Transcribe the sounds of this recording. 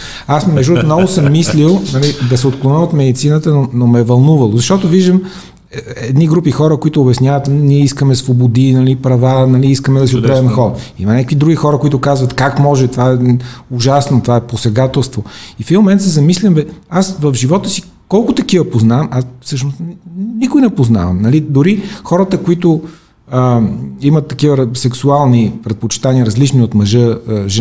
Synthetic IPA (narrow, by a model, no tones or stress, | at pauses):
asmɛʒd̪ut̪nɔɡʊsəmːislilˠnɐlid̪ɐsɛot̪klˠonəlˠot̪mɛd̪it̪sinət̪ənonomɛvɐlˠnuvɐlˠozɐʃt̪ɔt̪oviʒd̪əm | ɛd̪niɡɾupixɔɾəkoit̪ʊːbɛsnʲavɐt̪niɛiskəmɛsvobod̪inɐlipɾɐvanɐliiskəmɛd̪ɐsiʊɾɛvɛmxɔɾḭmɐnʲakəkvid̪ɾuɡixɔɾəkoit̪ʊkazvət̪kakmɔʒɛt̪ovaɛuʒasnot̪ovaɛposɛɡat̪ɛlˠst̪voifd̪imomɛnt̪sɛzɐmislʲimbɛasvɐvʒivɔt̪əsi | kɔlˠkʊt̪ɐkivɐpoznamasfsɤʃnost̪nnikʊjnɛpozna̰vɐ̰mnɐlid̪ʊɾixɔɾət̪əkoit̪ʊ | əimɐt̪ːɐkivəɾsɛksualˠnipɾɛt̪̚pot͡ʃi̥t̪aniəɾɐzlit͡ʃniot̪mɐʒɤʒɛ